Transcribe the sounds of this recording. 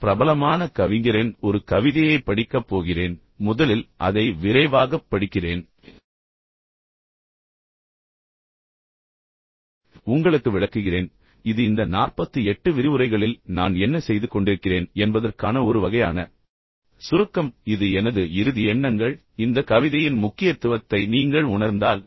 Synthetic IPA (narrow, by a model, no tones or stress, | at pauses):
pɪɾɐbɐlɐmaːnɐkɐʋɪŋɡɪreːnɔɾɯkɐʋɪðɪjɐɪpɐɽɪkːɐpːoːɣɪreːn | mʊðɐlɪlʔɐðɐɪʋɪɾɐɪʋaːɣɐpːɐɽɯkːɪreːn | ʊŋɡɐɭɯkːɯʋɪɭɐkːɯɣɪreːn | ɪðɯɪnd̪ɐnaːrpɐt̪ːɯɛʈːɯʋɪɾɪʋɯɾɐɪɣɐɭɪlnaːnɛnːɐsɛjðɯkɔɳɖɪɾɯkːɪreːnɛnbɐðɐrkaːnɐɔɾɯʋɐɣɐjaːnɐ | sʊɾɯkːɐmɪðɯɛnɐðɯɪɾɯðɪɛɳːɐŋɡɐɭ | ɪnd̪ɐkɐʋɪðɐjɪnmʊkːɪjɐt̪ːɯʋɐt̪ːɐɪniːŋɡɐɭʊɳɐɾnd̪aːl